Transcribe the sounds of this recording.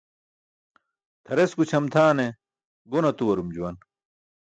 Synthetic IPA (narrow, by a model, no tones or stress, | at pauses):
t̪ʰɐɾeskut͡ɕʰɐmt̪ʰaːne | ɡonɐt̪uwɐɾumd͡ʑuwɐn